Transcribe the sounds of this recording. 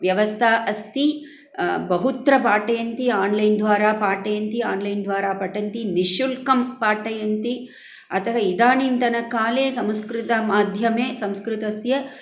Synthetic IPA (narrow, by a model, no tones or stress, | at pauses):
ʋjɐʋɐst̪ʰaːʔɐst̪i | bɐɦut̪ɾɐpaːʈɐjɐnt̪iaːnlɐjnd̪ʋaːɾaːpaːʈɐjɐnt̪iaːnlɐjnd̪ʋaːɾaːpɐʈɐnt̪iniʃulkɐmpaːʈɐjɐnt̪i | ɐt̪ɐɦɐid̪aːnint̪ɐnɐkaːleːsɐmskɾɪt̪ɐmaːd̪ʱjɐmeːsɐ̃mskɾɪt̪ɐsjɐ